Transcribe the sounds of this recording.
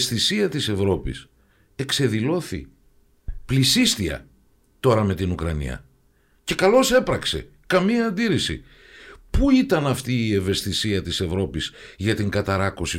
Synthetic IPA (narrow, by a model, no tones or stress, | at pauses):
st̪isiɐt̪ise̞vɾo̞pḭs | e̞kse̞ðilo̞θḭ | plisist̪iɐ̰ | t̪o̞ɾɐme̞t̪inukɾɐnḭɐ̰ | ce̞kɐlo̞se̞pɾɐkse̞̰ | kɐmiɐːnd̪iɾisḭ | puit̪ɐnɐft̪iːe̞ve̞st̪isiɐt̪ise̞vɾo̞pizʝɐt̪iŋɡɐt̪ɐɾɐkosi